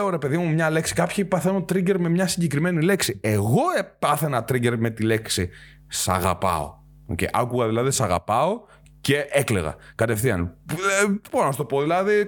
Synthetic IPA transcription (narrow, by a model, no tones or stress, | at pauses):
oɾe̞pe̞ðimumɲɐle̞ksi̥kɐpçipɐθenot̪ɾiɟe̞ɾme̞mɲɐsiɲɟekɾime̞nile̞ksie̞ɣo̞epɐθenɐt̪ɾiɟe̞ɾme̞t̪ile̞ksi | sɐ̰ɣɐ̰pɐ̰o̰ | o̰cḛiʔɐkuɣɐðilɐðisɐɣɐ̰pɐo̞ | ce̞ʔekleɣɐ̰kɐt̪e̞fθiɐ̰n | b̥oɾonɐst̪opoðilɐði